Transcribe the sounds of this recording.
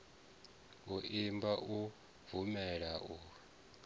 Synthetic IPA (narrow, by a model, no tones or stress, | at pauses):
uʔimbaʔu | vumɛɺaʔu